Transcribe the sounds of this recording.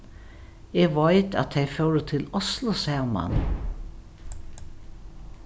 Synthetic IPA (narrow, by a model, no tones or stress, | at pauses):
ɛɡʋajt̪æ̰t̪ʰejfœwɾət̪ʰɪlɔslʊsɛːma̰n